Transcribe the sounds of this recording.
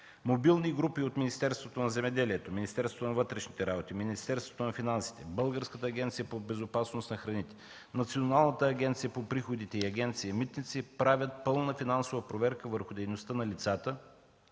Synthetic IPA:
mobilˠniɡɾupiot̪minist̪ɛɾst̪vot̪onɐzɛmɛd̪ɛliɛt̪ominist̪ɛɾst̪vot̪onɐvɤt̪ɾɛʃnit̪ɛɾabot̪iminist̪ɛɾst̪vo̥t̪onɐfinansi̥t̪ɛbɤlˠɡəɾskət̪əːɡʲɛnt̪sijəpobɛzopasnosnɐxɾɐnit̪ɛ̥ | nɐt̪sionalˠnət̪əːɡʲɛnt̪sijəpopɾixod̪it̪ɛiɐɡʲɛnt̪sijɐmit̪nit̪sipɾavʲət̪̚pɤlˠnəfinansovəpɾovɛɾkəvəɾxʊd̪ɛjnost̪ənɐlit̪sat̪ə

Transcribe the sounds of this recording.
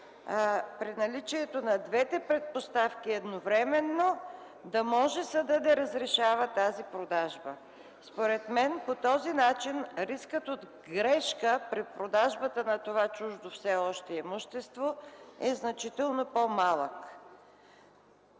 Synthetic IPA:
pɾinɐlit͡ʃiɛt̪onɐd̪vɛt̪ɛpɾɛt̪̚post̪afkʲiɛd̪novɾɛmɛnːo | d̪ɐmɔʒɛsəd̪ɐd̪ɐɾəzɾɛʃavət̪azipɾod̪aʒbə | spoɾɛt̪mɛnpot̪ɔzinat͡ʃinɾiskət̪od̪ | ɡɾɛʃkəpɾipɾod̪aʒbət̪ənɐt̪ovat͡ʃuʒd̪ofsɛɔʃt̪ɛɛmuʃt̪ɛst̪voɛznɐt͡ʃit̪ɛlˠnopomalˠək

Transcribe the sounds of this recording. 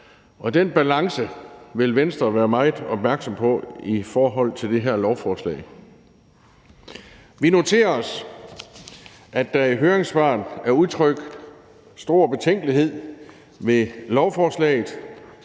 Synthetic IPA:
ʔɒ̽d̥enb̥ælɑ̈ŋsəʋe̝lʋensd̥ʁɐʋæːɐmɑ̈ɪð̩ˠɒ̽b̥̚mæɐɡ̥sɒ̽mpʰɒ̽ifɒːɦɒ̽l̰t͡sʰe̝ld̥e̝ɦeɐ̰lɒʊfɒːslɛ̰ɪ | ʋino̝t͡sʰe̝̰ːɐɒs | ʔæ̥æeɦøːɐeŋsb̥ɑ̰̈ːnæɐuðˠt͡sʰʁœɡ̥ | sd̥o̝ːɐ̰b̥e̝t͡sʰeŋ̰ɡ̥əliɦe̝ð̞̰ˠ | ʋe̝lɒʊfɒːslɛ̰ːɪð̩ˠ

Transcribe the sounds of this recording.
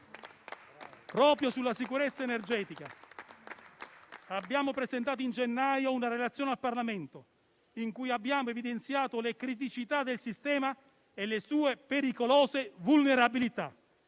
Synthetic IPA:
pɾɔːpɾjosulːasikuɾet̪sːaenerd͡ʒɛːt̪ika | abːjaːmopɾezent̪aːt̪oind͡ʒenːajounaɾelat̪sːjoːnealparlament̪o | iŋkujabːjaːmoevid̪ent̪sjaːt̪olekɾit̪̬it͡ʃit̪ad̪elsist̪ɛːma | elːesuːepeɾikolɔːzevulneɾabilit̪a̰

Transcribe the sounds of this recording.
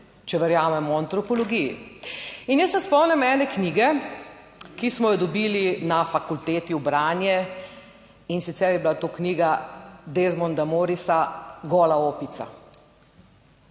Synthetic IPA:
t͡ʃɛʋɛɾjaːmɛmɔant̪ɾɔpɔlɔɡijḭ | injəsʋɛspɔwnʲɛmɛːnɛkniːɡɛ | kismɔjɔd̪ɔbiːlinafakult̪eːt̪iubɾaːnjɛ | insit̪sɛɾjɛbilat̪oːkniːɡad̪ezmɔnd̪amoɾisaɡɔːlaoːpit̪sa̰

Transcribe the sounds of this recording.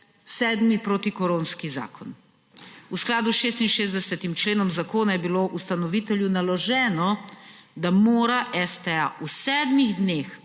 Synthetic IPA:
sɛːd̪mipɾoːt̪ikɔɾoːnskiza̰ːkʰɔn | usklaːd̪usʃeːst̪inʃeːzd̪ɛsɛt̪imt͡ʃleːnɔmzakoːnajɛbiloːʔust̪anɔʋit̪ɛljunalɔʒɛːnɔd̪amoːɾaʔɛst̪ɛaʔusɛːd̪miɣd̪neːx

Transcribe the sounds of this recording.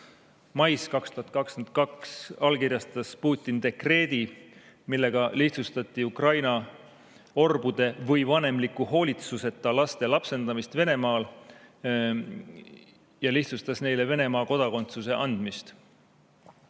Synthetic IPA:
mɑjskɑkst̪uɦɑt̪̚kɑkskent̪̚kɑksɑlkirjɑst̪ɑspuːt̪ʲːˑind̪e̞kre̞ːd̪̥i | milːe̞ɡ̥ɑliht̪sust̪ɑt̪ːˑiukrɑjnɑ | o̞rbud̪e̞vɤjvɑne̞mlikːˑuho̞ːlʲit̪suse̞t̪ːˑɑlɑst̪e̞lɑpse̞nd̪̥ɑmist̪ve̞ne̞mɑːl | jɑliht̪sust̪ɑsne̞jle̞ve̞ne̞mɑːko̞d̪̥ɑko̞nt̪suse̞ʔɑnd̪̥mist̪

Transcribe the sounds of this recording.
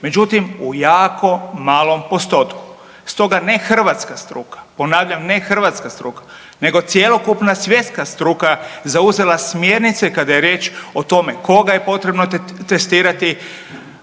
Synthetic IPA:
me̞d͡ʒut̪imujaːko̞maːlˠo̞mpo̞st̪o̞t̪ku̥ | st̪o̞ɡane̞xr̩ʋat̪skast̪ɾuːkḁpo̞naːʋʎamnexr̩ʋat̪skast̪ɾuːkḁ | ne̞ɡo̞t̪sjelˠo̞kupnasʋje̞t̪skast̪ɾukazauze̞lasmjeːɾnit̪sekad̪aje̞ɾje̞ːt͡ʃot̪o̞me̞ko̞ɡaje̞po̞t̪ɾe̞bnot̪t̪est̪iːɾat̪i

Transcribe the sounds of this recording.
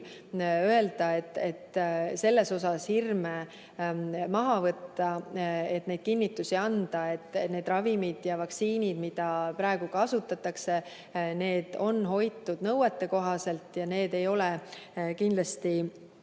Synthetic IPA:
øe̞ld̪̥ɑet̪ːet̪se̞lːe̞so̞sɑshirme | mɑɦɑvɤt̪ːɑe̞t̪ːˑne̞d̪̥̚kinːit̪ːˑusiɑnd̪̥ɑe̞t̪ːˑne̞ːd̪̥rɑvimid̪̥jɑvɑksiːnʲid̪̥mid̪̥ɑpɾɑeɡ̥ukɑsut̪ːˑɑt̪ːˑɑkse̞ | ne̞ːd̪̥o̞nɦo̞jt̪ːˑud̪̥nɤwet̪ˑːe̞ko̞ɦɑse̞lt̪jɑne̞ːd̪e̞jo̞lekind̪lɑst̪i

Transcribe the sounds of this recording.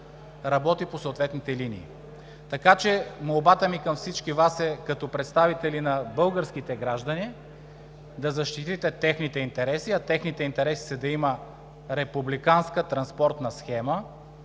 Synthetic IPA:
ɾɐbɔt̪iposoːt̪vɛt̪nit̪ɛliniː | t̪ɐkat͡ʃɛmolˠbat̪əmikɐmfsit͡ʃkivasɛkɐt̪ɔpɾɛt̪st̪avit̪ɛlinɐbɤlˠɡəɾsk̟it̪ɛɡɾaʒd̪ɐni | d̪ɐzɐʃt̪it̪it̪ɛt̪ɛxnit̪ɛint̪ɛɾɛsiɐt̪ɛxnit̪ɛint̪ɛɾɛsi̥sɐd̪ɐimə | ɾɛpublikanskət̪ɾɐnspɔɾt̪nɐsxɛmə

